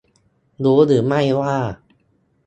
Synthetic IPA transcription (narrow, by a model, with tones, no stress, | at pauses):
d̪uː˨˦ɾɯː˩˦ma˥˩jwaː˥˩